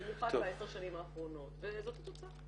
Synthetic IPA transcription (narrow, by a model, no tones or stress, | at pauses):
muχadbaeseʁʃanimaːχʁo̞no̞t̪vezot̪hat̪ot͡sa